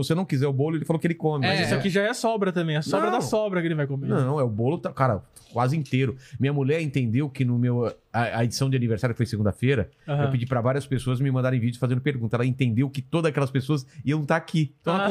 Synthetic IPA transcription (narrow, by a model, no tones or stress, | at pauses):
vosenɐ̃w̃kizɛɾʊbolʊelɪfalowkɪelɪkõmɪziakiʒaɛɐsɔbɾɐt̪ɐ̃mbẽj̃ɐsɔ̃ɾɐ̃d̪ɐ̃sɔbɾɐkelɪvajkomenɐ̃w̃ɛʊbolʊt̪akaɾɐ | kwazɪĩnt̪eɾʊmĩɲɐmulɛɾẽnt̪ẽnd̪ewkɪnʊmew | ɐɐed͡ʒi̥sɐ̃w̃d͡ʒɪaniveɾsaɾjʊkfojseɡũd̪ɐfeɾɐewpɪd͡ʒipɾɐvaɾiɐspesoɐzɪmɪmɐ̃nd̪aɾẽj̃vid͡ʒʊ̥fazẽnd̪ʊpeɾɡũt̪ɐɛlɐẽnt̪ẽnd̪ewkɪt̪od̪ɐzakɛlɐspesoɐsɪewnũw̃t̪aakʰit̪w̃ɛɐ